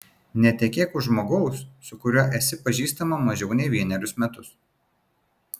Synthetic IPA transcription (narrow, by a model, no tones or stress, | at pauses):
nʲɛt̪ʲɛkʲeːkʊʒmoːɡɐʊsːʊkʊɾʲuɔʔɛsʲɪpɐʒʲiːst̪ɐmɐmɐʒʲɛʊnʲɛɪʋʲiɛnʲɛɾʲʊsmʲɛt̪ʊs